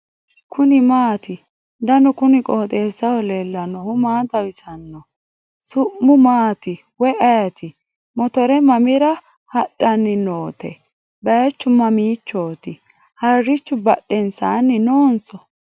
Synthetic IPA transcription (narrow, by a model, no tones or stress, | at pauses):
kʰʊnɪmaːt̪ɪ | d̪ɐnɔkʊnɪkʼoːt̪ʼeːsːɐwɔleːlːɐnɔhʊmaːt̪ɐwɪsɐnːɔ | sʊʔːʊmaːt̪ɪ | wɔʔɐjɐt̪ʰɪ | mɔt̪ɔɾɛmɐmɪɾɐ | hɐɗːɐnːɪnoːt̪ɛ̰ | bɐjt͡ʃːʊmɐmiːt͡ʃːoːt̪ɪ | hɐrːɪt͡ʃːʊbɐ̰ɗːɛnsaːnːɪnoːnsɔ